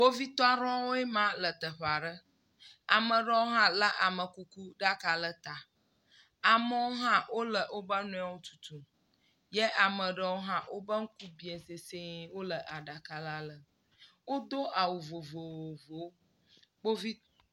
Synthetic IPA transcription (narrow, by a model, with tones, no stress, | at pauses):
bo˦vi˦t̪ɔ˦a˦ɾɔ̃˦wo˦ɛ˦mã˦lə˨t̪ə˨ɸa˨ɖə˦ | a˨mə̃˨ɖə˦wo˦ɦã˦lə˦ʔa˨mə˨ku˦ku˦ɖa˦ka˨lə˦t̪a˨ | a˨mə˦wo˦ɦã˦wo˦lə˨ʔo˦bə˦nũ˦a˨wo˦t̪u̥˨t̪u˨ | jɛ˦ʔa˨mə˨ɖə˦wo˦ɦã˦wʔo˦bə˦ŋ̩˦ku˦bi˦e˨se˨se˦wo˦lə˨ʔa˨ɖa˨ka˨la˦lə˨ | wo˦d̪o˦ʔa˨wu˨vo˨vo˨wo˨vo˨w | bo˦vi˦